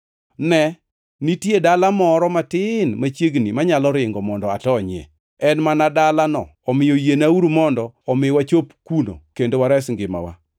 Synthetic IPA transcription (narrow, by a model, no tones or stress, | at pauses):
nɛ | nitjedalamɔɾɔmatɪnmat͡ʃjeɡnimaɲalɔɾɪŋɡɔmɔndɔa̰tɔɲɪɛ̰ | ɛnmanadalanɔ̰ɔmɪjojenauɾumɔndɔɔmɪwat͡ʃopkuno̰kendowaɾɛsŋɡɪma̰wa̰